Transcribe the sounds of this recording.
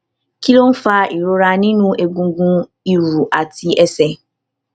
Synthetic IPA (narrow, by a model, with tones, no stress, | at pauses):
ki˦lo˦n̩˦fa˦ʔi˨ɾo˦ɾa˨nĩ˦nũ˦ʔe˨ɡũ˨˦ɡũ˦ | i˨ɾu˨ʔa˨tʰi˦ʔɛ˦sɛ˦